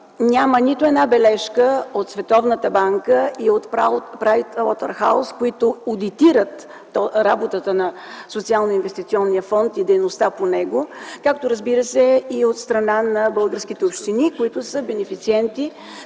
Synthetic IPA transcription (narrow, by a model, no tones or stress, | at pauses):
nʲamənit̪ʊɛd̪nabɛlɛʃkəot̪svɛt̪ɔvnət̪əbaŋkəiot̪papɾajt̪ɔt̪ə̰ɾxa̰ʊskoit̪ood̪it̪iɾət̪ | ɾa̰bot̪ət̪ənɐsot̪sialˠnoinvɛst̪it̪siɔnːijəfɔnt̪id̪ɛjnost̪aponɛɡokakt̪oɾəzbiɾəsɛiot̪st̪ɾɐnanɐbɤlˠɡəɾsk̟it̪ɛopʃt̪inikoit̪ʊsəbɛnɛfit̪siɛnt̪i